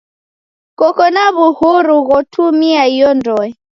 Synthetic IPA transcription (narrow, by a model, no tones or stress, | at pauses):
kɔkɔnaβuhuɾuɣɔtʰumiaijɔndɔɛ